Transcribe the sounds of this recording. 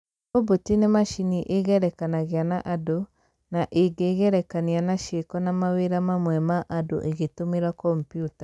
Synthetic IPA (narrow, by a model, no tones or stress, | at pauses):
obotinemaʃiniʔeɣɛɾɛkanaɣeanaʔado | naʔeɡeːɣɛɾɛkanianaʃekɔnamaweɾamamwɛmaʔado̰ʔeɣetomeɾakɔmpjutḁ